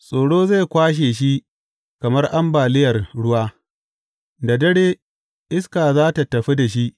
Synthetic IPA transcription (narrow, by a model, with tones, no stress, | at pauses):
sʼoː˨ɽoː˦za˦˨jkʷaː˦ʃ̬eː˨ʃi˦ | kɐ˨mɐ˦rʔa˦mbaː˨lɪ˦jɐ˨rɽʊ˦waː˦ | da˨dɐ˦ɽeː˦ | ʔɪ˦skaː˨zaː˦ta˨tɐ˨ɸi˦da˨ʃ̬i˦ʔ